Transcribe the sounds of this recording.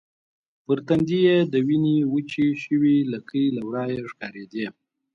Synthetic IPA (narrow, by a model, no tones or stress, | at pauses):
pəɾt̪and̪ijed̪əwiniwət͡ʃiʃəwiləkəjlawɾɑjeʂkɑɾed̪e